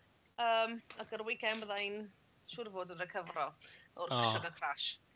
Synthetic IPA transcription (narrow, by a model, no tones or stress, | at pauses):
əːmakərwɪɡɛməðajn | ʃʊːɾvoːdəɾəkʰəvrɔɔrʰʃɔɡəkʰraʃ